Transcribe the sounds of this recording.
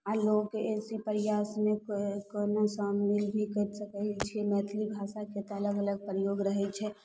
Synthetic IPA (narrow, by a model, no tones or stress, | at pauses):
alokːeesipəɾjasmekonosailbʱikəɾsəkɛt͡ʃʰiemɛt̪ʰlibʱasaket̪ələɡələɡ̚pɾəjoɡɾəɦɛt͡ʃʰɛ